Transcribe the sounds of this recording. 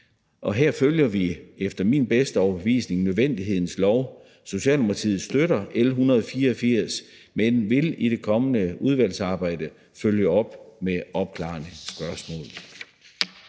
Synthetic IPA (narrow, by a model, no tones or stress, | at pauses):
ʔɒ̽ɦeɐ̰føljɐʋiefd̥ɐminb̥esd̥əɒʊɐb̥eʋḭːsne̝ŋnøðˠʋend̥iɦe̝ð̞̰ˠn̩slɒʊ | so̝ɕɛ̰ːlnupʰɑt͡sʰḭːð̩ˠsd̥øɾɐʔelɦunɐð̩ˠɒfiːɐɒfiɐ̰s | menʋe̝lid̥e̝kʰɒ̽mənəuð̞ˠʋæl̰sɑ̈ːb̥ɑ̈ɪ̰d̥ə | føljəɒ̽b̥meʔɒ̽b̥̚kʰlɑ̰̈ːnəsb̥ɶɐsmɔ̰̽ːl